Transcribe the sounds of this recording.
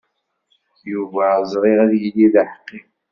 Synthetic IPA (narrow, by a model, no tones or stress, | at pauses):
juvæzˤɾˤɪʁæðjəlːiðaħqːi